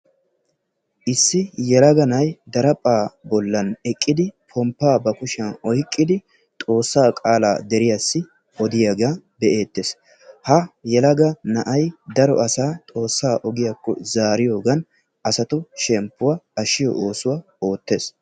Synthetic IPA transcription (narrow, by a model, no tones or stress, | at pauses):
ʔɪsːɪjɛlɐɡɐnɐjd̪ɐɾɐpʼːaːbɔlːɐnɛkʼːɪd̪ɪpʰɔmpːaːbɐkʊʃɐnɔjkʼːɪd̪ɪ | t̪ʼo̞ːsːaːkʼaːla̰ːd̪ɛɾɪjasːɪ | ʔɔd̪ɪjɐɡaːbɛʔe̞ːt̪ːes | hɐjɛlɐɡɐnɐʔɐjd̪ɐɾɔʔɐsaːt̪ʼo̞ːsːaːʔɔɡɪjakːɔ̰zaːɾɪjo̞ːɡɐn | ʔɐsɐt̪ʊʃɛmpːʊwaɐʃɪjɔ̰ʔoːsʊwa | oːt̪ːe̞ːs